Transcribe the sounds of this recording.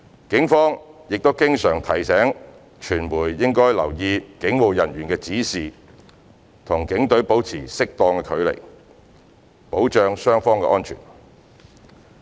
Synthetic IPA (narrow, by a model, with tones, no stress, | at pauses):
kɪ˨˥ŋfɔː˥ŋjɪ˨k̚t̪o˥wkɪ˥ŋsœː˨˩ŋt̪ʰɐ˨˩jsɛː˨˥ŋ | t͡ʃʰyː˨˩nmuː˨˩jːɪ˥ŋkɔː˥jlɐ̰˨˩wjiː˧kɪ˨˥ŋwo˨˩wjɐ˨˩nɥyː˨˩nkɛː˧t͡siː˨˥siː˨ | t̪ʰʊ˨˩ŋkɪ˨˥ŋt̪ɵ˨˥ɥpo˨˥wt͡sʰiː˨˩sɪ˥k̚t̪ɔː˧ŋkɛ˧kʰɵ˨˧ɥlḛ˨˩j | po˨˥wt͡ʃœː˧ŋsœː˥ŋfɔː˥ŋkɛ̰ː˧ʔɔː˥nt͡ʃʰy̰ː˨˩n